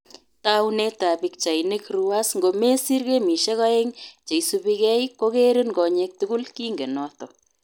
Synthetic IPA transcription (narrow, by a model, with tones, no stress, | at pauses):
tawne˦ta˨bi˨k̚t͡ʃa˨jne˦kru˦wasŋɡo˨me˦si˦rke˦mi˨ʃe˦ka˦e˦ŋt͡ʃe˨jsubikɛ˦jko˦ke˦ɾi˦nɡɔ˨ɲek̚tuɡu˦lki˦ŋɡe˨nɔtɔ˨